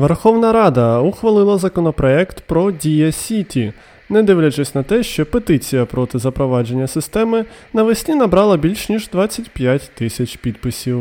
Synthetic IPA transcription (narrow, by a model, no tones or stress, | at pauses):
ʋerxɔwnɐɾɑd̪ɐuxʋɐlˠɪlˠɐzɐkɔnɔpɾɔɛkt̪pɾɔdʲijɐsʲitʲi | nɛd̪ɪʋlʲɐt͡ʃɛsʲnɐt̪ɛʃt͡ʃɔpet̪ɪt͡sʲijɐpɾɔt̪ɪzɐpɾɔʋɑd͡ʒe̞nʲːɐsɪst̪ɛmɪnɐʋɪsʲnʲinɐbɾɑlˠɐbʲilʲʃnʲiʒd̪ʋɑt͡sʲːɐtʲpʲjatʲt̪ɪsʲɐt͡ʃʲpʲid̪pɪsʲiw